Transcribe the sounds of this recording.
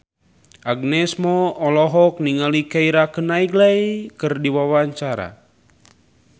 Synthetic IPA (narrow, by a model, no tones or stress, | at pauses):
ʔaɡ̚nɛsmɔɔlɔɦɔk̚niŋalikaiɾakənaiɡlajkɨrdiwawaɲt͡ʃaɾa̰